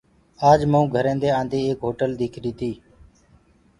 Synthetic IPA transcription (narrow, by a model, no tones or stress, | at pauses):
aːd͡ʒmũːɡʱəɾẽːnd̪eːãːnd̪eːeːkɦoːʈəld̪iːkʰɾiːt̪ʰiː